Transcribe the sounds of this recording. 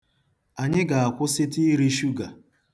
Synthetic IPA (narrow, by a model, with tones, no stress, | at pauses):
a˨ɲɪ˦ɡa˨a˨kʷʊ˦sɪ˦ti˦ɾi˦ʃu˦ɡa˨